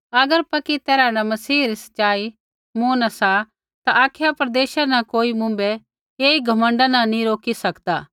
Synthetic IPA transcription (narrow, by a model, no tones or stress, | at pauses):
ɐɡəɾpɐkit̪ɛːɾanamɐsiːɾisɐ̥ʃaːi | mũːnasa | t̪aʔaːkʰejapɾɐd̪eːʃanãkoːimʊ̃mbe | eːiɡʱɐmə̃ɳɖanãnĩɾoːkisɐkd̪aː